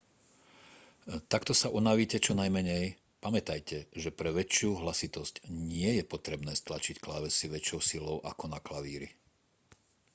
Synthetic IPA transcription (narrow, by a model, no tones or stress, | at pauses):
t̪akt̪ɔsaʔunaʋiːcɛt͡ʃɔnajmɛɲɛj | pamɛt̪ajcʰɛʒɛpɾɛʋɛt͡ʃɪuɦlasit̪ɔscɲɪɛjɛpɔt̪ɾɛbnɛːst̪lat͡ʃicklaʋɛsiʋɛt͡ʃɪɔʊsilɔʊʔa̰kɔnaklaʋiːɾi